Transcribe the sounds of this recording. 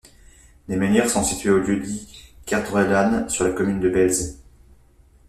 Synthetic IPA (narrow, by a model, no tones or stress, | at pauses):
lemɛnjɛʁsɔ̃sit̪ɥeoljød̪ikaʁt̪ʁɛlansyʁlakɔmynd̪əbɛlze